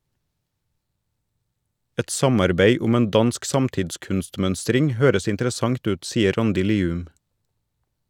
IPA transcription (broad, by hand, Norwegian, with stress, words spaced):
ˈɛt ˈsɑmɑɾbeɪ ˈʊm ˈeːn ˈdɑnsk ˈsɑmtɪdˌskʉnstˌmœnstɾɪŋ ˈhøːɾəs ɪntəɾəˈsɑŋt ˈʉːt ˈsiːə ˈɾɑndɪ ˈliːʉm